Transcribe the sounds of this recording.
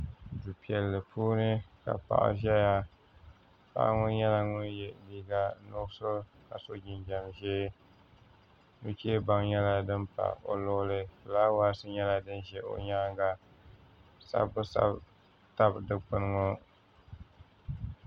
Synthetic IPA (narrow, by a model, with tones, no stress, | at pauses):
du˨pi˨ɛ˨lːɨ˨pʰuː˦nɨ˦ka̰˨pa̰˨ʔa̰˦ʒɛ˦ja˦ | pa̰˦ʔa˦ŋʊ˦ɲɛ˦la˦ŋʊ˦jɛ˨liː˦ɡa˦nʊ˦so˦ka˨so˦d͡ʒɪ˨nd͡ʒɛ˨mʒeː˦ | nu˦t͡ʃeː˦ba˦ŋɲɛ˦la˦dɨ˦mpa̰˨o̰˨lʊ˦lɨ˦˨laː˦waː˦sɨ˦ɲɛ˦la˦dɨ˦nʒɛ˦ʔo̰˨ɲaː˦ŋɡa˦ | sa̰˦bʊ˦sa̰˦b | ta˦bdɨ˦k͡pɨ˦nɨ˦ŋo˦